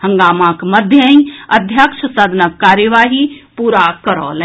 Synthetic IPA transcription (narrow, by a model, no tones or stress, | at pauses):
həŋɡaːmãkməd̪ʱjəĩəd̪ʱjəkʃʰəsaːd̪ʱnəkːaːɾjəʋaːɦipuːɾakəɾɔ̰ːl